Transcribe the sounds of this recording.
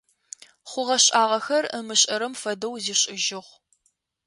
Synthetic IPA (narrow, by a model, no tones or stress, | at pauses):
χʷʊʁɐɕʼaːʁɐxɐrəmɨɕʼɐɾɐmfɐdɐwziːɕʼɪʒɪʁʷ